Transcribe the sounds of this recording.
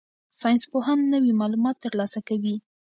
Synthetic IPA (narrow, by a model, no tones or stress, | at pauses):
sɑjnspoɦanːəwimɑlumɑt̪ːəɾlɑsakawi